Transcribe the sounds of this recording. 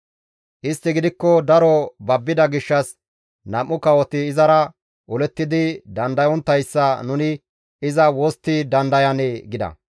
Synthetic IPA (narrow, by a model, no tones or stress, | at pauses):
ʔɪst̪ːɪɡɪd̪ɪkːɔd̪ɐɾɔbɐbːɪd̪ɐɡɪʃːɐs | nɐmːʊkɐwɔt̪ɪːzɐɾɐ | ʔʊlɛt̪ːɪd̪ɪd̪ɐnd̪ɐjɔnt̪ːɐjsːɐnʊnɪ | ɪzɐwɔst̪ːɪd̪ɐnd̪ɐjɐneːɡɪd̪ɐ̰